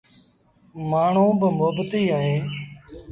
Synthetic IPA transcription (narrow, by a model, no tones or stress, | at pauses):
maːɳ̤ũːbəmʊɦbət̪iːɦəɦẽː